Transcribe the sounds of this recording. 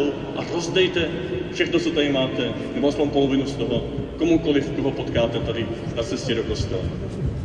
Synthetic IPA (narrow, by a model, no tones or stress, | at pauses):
u | ʔarozd̪ɛjt̪ɛfʃɛxnot͡sot̪adɪmaːt̪ɛ | nɛboʔaspoɲpo̞lovɪnust̪oɦokomukolɪft̪uɦopot̪kaːt̪ɛt̪adɪnat͡sɛscɛdoko̞st̪ɛlɛ̰